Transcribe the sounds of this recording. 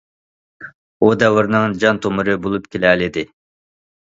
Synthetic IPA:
ud̪ɛwɨɾnɨŋd͡ʒɑnt̪ʰomɨɾɨbolˠupkʲʰelɛlɪd̪ɪ

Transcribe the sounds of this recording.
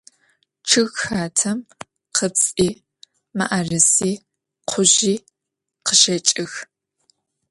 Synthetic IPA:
t͡ʃʰɨɣxaːtʰɐm | qʰəpsʼiː | ma̰ʔarɨsiː | qʰʷʊʑiː | qəʒɐt͡ʃʼɨx

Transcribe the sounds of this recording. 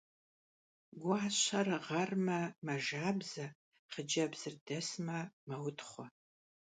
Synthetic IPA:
ɡʷʊɕʰɐrʁɐrmɐmɐʒaːbzɐ | χəd͡ʒɐbz̥ɨrdɐsmɐmɐwtχʷɔ

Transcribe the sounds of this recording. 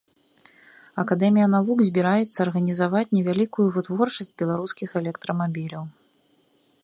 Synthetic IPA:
ɐkad̪ɛmʲijɐnavuɡzʲbʲiɾajɛt̪sːɐːrɣɐnʲizavat͡sʲnʲɛvʲalʲikujuvɨt̪vɔrt͡ʂɐsʲd͡zʲbʲɛlˠaɾuskʲixɛlʲɛkt̪ɾɐmabʲilʲɐw

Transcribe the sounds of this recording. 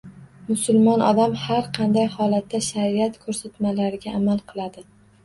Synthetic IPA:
mʊsʊlˠmɒnʔɒd̪amhaɾqʰɑnd̪ajhɒlat̪ːaʃaɾiat̪kʰɵɾsat̪malaɾɪɡʲaʔːmalˠqʰɨlˠad̪ɪ

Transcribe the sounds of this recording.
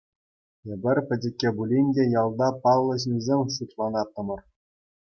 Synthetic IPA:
ĕbʲɘ̆rʲpʲɘ̆dʲɘ̆kʲːebulʲinʲdʲejɑlˠd̪ɑpɑlˠːɤ̆ɕnʲizʲemʲʂut̪lˠɑnɑt̪ːɤ̆mɤ̆r

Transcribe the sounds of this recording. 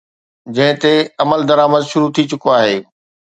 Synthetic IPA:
d͡ʑɐ̃ɦɪ̃t̪eɐməld̪ɐɾaːməd̪ʃʊɾut̪ʰit͡ɕʊkoaːɦeː

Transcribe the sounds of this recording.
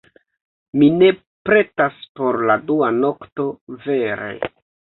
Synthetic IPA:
mine̞ | pɾe̞taspo̞ɾladuano̞kto̞ve̞ɾe̞̰

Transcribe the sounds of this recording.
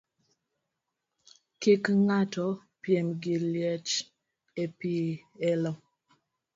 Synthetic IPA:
kikŋatɔ | pjɛmɡiljɛt͡ʃ | epiɛlɔ

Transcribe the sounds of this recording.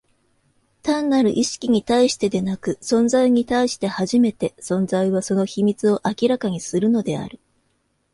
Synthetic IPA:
t̪ãnːaɾɯ̟ʔiɕi̥kʲiɲ̟it̪aiɕi̥t̪e̞d̪e̞nakɯ̟sõ̞nzaiɲ̟it̪aiɕi̥t̪e̞haʑime̞t̪e̞sõ̞nzaiβ̞aso̞no̞çimʲit͡sɨo̞ʔakʲiɾakaɲ̟isɨɾɯ̟no̞d̪e̞a̰ɾɯ̟

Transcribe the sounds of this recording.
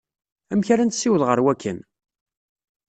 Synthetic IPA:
æmçaɾænt̪sːiwəðʁəɾwækːə̰n

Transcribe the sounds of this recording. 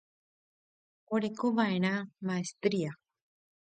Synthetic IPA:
oɾekoʋae̞ɾ̃ãmaest̪ɾia

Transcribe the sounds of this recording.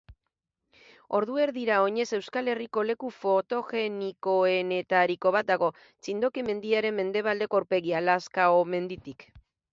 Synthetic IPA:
o̞ɾðue̞ɾðiɾao̞ɲe̞se̞wskale̞riko̞le̞kufo̞t̪o̞ɣe̞niko̞e̞ne̞t̪aɾiko̞β̞at̪̚d̪aɣ̞o̞ | t͡sind̪o̞kime̞nd̪iaɾe̞mːe̞nd̪e̞β̞ald̪e̞koauɾpe̞ɣialaskaome̞nd̪it̪ik

